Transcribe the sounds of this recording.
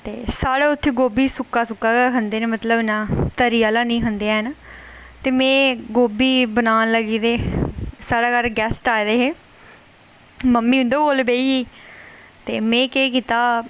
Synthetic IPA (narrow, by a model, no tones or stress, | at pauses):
t̪ḛːsaːɽeːʊt̪ʰːeːɡoːbiːsʊkːaːsʊkːaːɦənd̪eːnẽːmət̪ləbnãːt̪əɾijaːlaːnĩːɦənd̪eːaːɦna | t̪eːmẽːɡoːbiːbənaːnləɡiːd̪eːsaːɽaːkəɾɡɛːsʈaːid̪eːɦeː | məmːiːʊ̃nd̪oːkolbeːiːiː | t̪eːmẽːkeːk̬iːt̪aː